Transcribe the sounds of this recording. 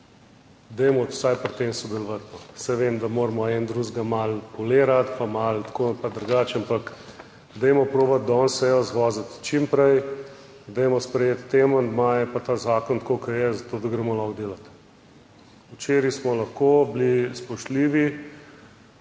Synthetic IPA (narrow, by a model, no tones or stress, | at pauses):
d̪ɛjmɔwsajpɾt̪emsɔd̪ɛlɔʋat̪nɔsɛʋemd̪amoːɾmɔɛnd̪ɾuzɡamalpɔleːɾat̪pamalt̪kʰoːpad̪ɾuɡat͡ʃampak | d̪ɛjmɔpɾoːbat̪̚d̪ɔnsɛjɔzʋɔːzət̪t͡ʃimpɾɛj | d̪ɛjmɔspɾɛjeːt̪ːeːmɔnd̪majɛpat̪aːzaːkɔnt̪koːkɐɾjɛzɐt̪oːd̪ɐɡɾɛmɔlɔxd̪eːlat̪ | ut͡ʃeːɾismɔlɐxkoblispɔʃt̪liːʋi